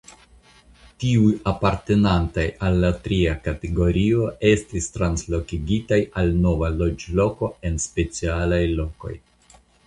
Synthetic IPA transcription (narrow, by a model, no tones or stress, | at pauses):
tiujapaɾte̞nantajalːatɾiakateɡo̞ɾio̞e̞stistɾanslo̞kiɡitajalno̞valo̞d͡ʒlo̞ko̞e̞nspe̞t͡sialajlo̞ko̞̰j